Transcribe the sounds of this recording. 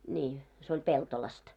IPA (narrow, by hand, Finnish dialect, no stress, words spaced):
nʲiː se olʲ peltolɑst